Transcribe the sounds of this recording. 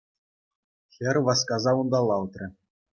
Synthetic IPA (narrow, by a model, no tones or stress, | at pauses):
xʲɘ̆rʲʋɑskɑzɑund̪ɑlˠːɑlt̪rʲɘ̆